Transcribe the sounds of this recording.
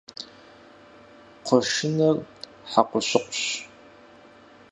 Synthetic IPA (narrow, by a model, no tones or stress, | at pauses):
qʷʰɔʃɪnɐr | ħaqʷɔɕʊqʷɕ